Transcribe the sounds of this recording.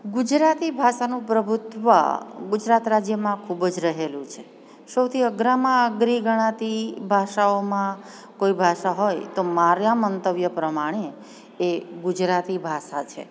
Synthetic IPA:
ɡʊd͡ʒɾat̪ibʱaʃanũpɾəbʱʊt̪ʋə̰ɡʊd͡ʒɾat̪ɾad͡ʒjəmãkʰubd͡ʒɾəɦelũt͡ʃʰe | səwt̪ʰiəɡɾamãəɡɾiɡəɽ̃ãt̪ibʱaʃaomã | koibʱaʃaɦojt̪omaɾjamənt̪əʋjəpɾəmaɽ̃eː | ɡud͡ʒɾat̪ibʱaʃat͡ʃʰḛ

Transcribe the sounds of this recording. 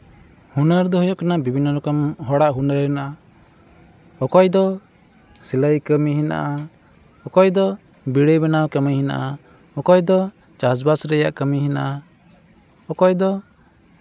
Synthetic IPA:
hunəɾd̪ɔɦɔjɔʔkanabibʱinːɔɾɔkɔmɦɔɽaʔɦunəɾɛnaʔa | ɔkɔjd̪ɔ | siləjkəmiɦina̰ʔa | ɔkɔjd̪ɔ | biɽəbɛnawkəmihina̰ʔa | ɔkɔjd̪ɔ | t͡ʃasbasɾɛja̰ʔkəmiɦina̰ʔa | ɔkɔjd̪ɔ

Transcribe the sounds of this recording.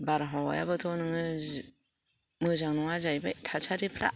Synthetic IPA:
baɾɦawa̰jabɯtʰɔnɯŋɯ | mɯzaŋnɔŋazajbajtʰasʰaɾipʰɾa̰

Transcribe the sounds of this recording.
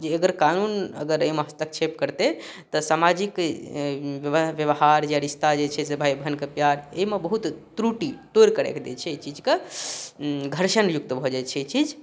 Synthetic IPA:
d͡ʒeəɡəɾkanunə̰ɡəɾəimeɦəst̪ək̚t͡ʃʰepkəɾt̪et̪ɔsamad͡ʒik | ʋʋʋjəʋɦaɾd͡ʒejaɾist̪ʰad͡ʒet͡ʃʰɛsebʱaibʱənkepjaɾeimebəɦut̪t̪ɾuʈit̪oɾkəɾɛ̰kʰd̪ḛt͡ʃʰɛit͡ʃid͡ʒke | ɡʱəɾʃənjuk̚t̪əbʱɔd͡ʒat͡ʃʰɛit͡ʃid͡ʒ

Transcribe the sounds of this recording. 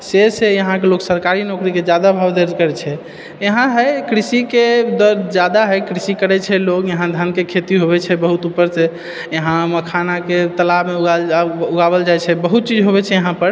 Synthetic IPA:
sesejəɦãkeloksəɾkaɾinokɾiked͡ʒjad̪abʱəbd̪eɾd͡ʒkəɾɛt͡ʃʰɛ | eɦãɦəjkɾisiked̪əɾd͡ʒad̪aɦəjkɾisikəɾɛt͡ʃʰɛlokjəɦãd̪ʱankekʰet̪iɦoβɛt͡ʃʰɛbəɦut̪upːəɾse | jəɦãməkʰanaket̪əlabmeuɡauɡaβəld͡ʒajt͡ʃʰɛbəɦut̪̚t͡ʃid͡ʒɦobɛt͡ʃʰɛjəɦãpəɾ

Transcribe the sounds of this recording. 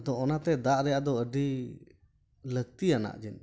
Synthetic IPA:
d̪ɔɔnat̪ɛd̪aʔɾɛjaʔd̪ɔəɖi | ləɡ̚t̪iana̰ʔd͡ʒɛn

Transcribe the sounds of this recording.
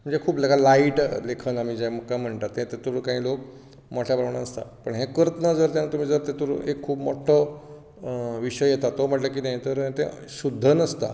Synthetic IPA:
m̤əɳd͡zekʰuːpləɡalaiʈlekʰənamid͡ʑeməkːam̤əɳt̪at̪ːẽt̪et̪uɾkãɦĩlok̚ | mɔʈʰjabɾaʋɳaəst̪a̰pəɳɦẽkəɾət̪nəd͡zəɾt̪janat̪um̤iːd͡zəɾt̪ẽt̪uɾ̰ekʰːuːbmɔ̰ʈʰːə | ʋiɕəjjet̪at̪om̤əʈlək̬iːnaɦjit̪əɾ̃t̪ẽ | ɕud̪ʱːənəst̪a̰

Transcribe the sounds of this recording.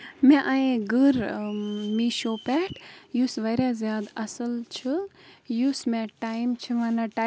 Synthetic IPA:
mɛ̃ʔaẽɡɨɾ | miʃoːpɛːʈjusʋɐɾazjaːd̪ɐsəlt͡ʃʰɨjusmẽʈaːjmt͡ʃʰiʋaːnaʈa

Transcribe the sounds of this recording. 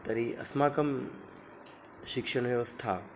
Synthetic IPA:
t̪ɐɾiʔɐ̰smaːkəm | ʃɪkʂəɳ̃ʋjeʋəst̪ʰa

